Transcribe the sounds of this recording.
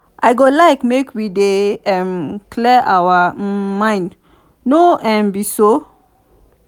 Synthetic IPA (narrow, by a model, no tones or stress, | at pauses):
ʔajɡolaɪkmekwideɛ̃mkʰlɛʔawamãɪ̃nd | noɛ̃mbiso